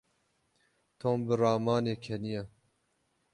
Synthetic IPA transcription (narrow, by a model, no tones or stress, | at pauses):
t̪ʰoːmbɨɾɑːmɑːneːkʰɛnijɛ